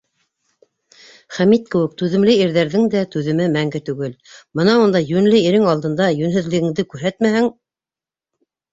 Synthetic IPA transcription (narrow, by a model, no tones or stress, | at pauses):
χæmit̪̚kɘ̆wɘk̚t̪ʉðɘ̆mlɘiɾðæɾðɘŋd̪æt̪ʉðɘ̆mɘmæŋɡɘt̪ʉɡɘlmɤnɑund̪ɑjʉnlɘiɾɘŋɑlˠd̪ɤ̆nd̪ɑjɵ̆nɦɘ̆ðlɘ̆ɡɘ̆ŋd̪ɘkʉɾɦæt̪mæhɘŋ